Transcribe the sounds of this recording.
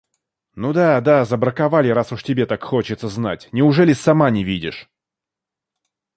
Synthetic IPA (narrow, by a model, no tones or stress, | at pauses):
nud̪ad̪azəbɾəkavalʲɪɾasʊʂtʲɪbʲet̪akxo̞t͡ɕɪt̪səzna̰tʲnʲɪʊʐɛlʲɪsamanʲɪvʲidʲɪʂ